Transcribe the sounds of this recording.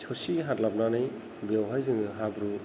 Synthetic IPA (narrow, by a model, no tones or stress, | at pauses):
t͡ʃʰɔsiɦatlab̚nanaj | bewɦajzɯŋɯɦabɾu